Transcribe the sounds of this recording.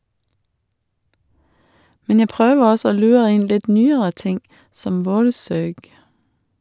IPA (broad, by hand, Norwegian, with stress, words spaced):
ˈmɛn ˈjæ ˈpʁøːʋəʁ ˈɔsɔ ˈoː ˈlʉːʁə ˈɪn ˈlɪt ˈnyːəɾə ˈtɪŋ ˈsɔm ˈʋoːɾˌsøːɡ